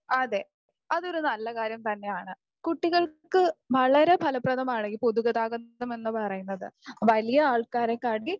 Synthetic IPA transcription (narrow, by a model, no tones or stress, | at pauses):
ɐðe̞ | ɐðo̞ɾunɐlːɐkaːɾjɐmt̪ɐnːe̞jaːɳɨ | kuʈːiɣɐɭkɨʋɐɭɐɾe̞pʰɐlɐprɐðɐmaːɳeŋɡipoðuɣɐðaːɣɐnːɐme̞nːɨpɐrɐjunːɐðɨ̰ʋɐlijɐaːɭkaːɾɐkaːʈi